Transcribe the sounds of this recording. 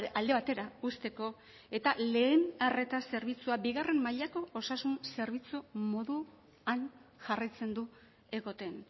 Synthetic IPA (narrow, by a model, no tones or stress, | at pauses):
ald̪e̞β̞at̪e̞ɾaust̪e̞ko̞ | e̞t̪ale̞ːnare̞t̪ase̞ɾβit͡suabiɣare̞mmaʎako̞ʔosasunse̞ɾβit͡sumo̞ðu | anʝarajt͡se̞nd̪u | e̞ɣo̞t̪e̞n